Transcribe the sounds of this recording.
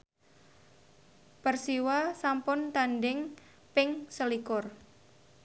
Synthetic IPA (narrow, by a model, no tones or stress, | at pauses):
pərsiwasampʊnt̪anɖɪŋ | pɪŋsəlikʊr